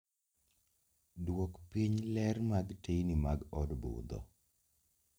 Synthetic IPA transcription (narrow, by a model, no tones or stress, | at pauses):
dwokpiɲlɛɾmaɡtejnimaɡɔdbʊ̰d̪ɔ̰